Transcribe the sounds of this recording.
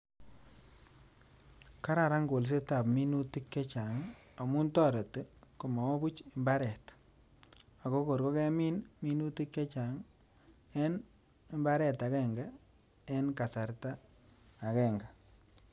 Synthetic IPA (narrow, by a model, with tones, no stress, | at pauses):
ka˦ɾa˨ɾa˦ŋɡo˨ls̬e˦ta˨pmi˦nu˦ti˦kːɛ˦t͡ʃa˨ŋa˨mu˦ntɔ˦ɾe˨te˦ko˨ma˨o˦bu˦t͡ʃɪ˨mba˦ɾɛ˨t | a˨ko˦ko˨ɾko˦kɛ˦mi˦nmi˦nu˦ti˦kːe˦t͡ʃa˨ŋ | ɛ˦n | ɪ˨mba˦ɾɛ˨ta˨kɛ˨ŋɡa˦ | ɛ˦nka˨sa˨ɾtaː˦˨ | kɛ˨ŋɡa˨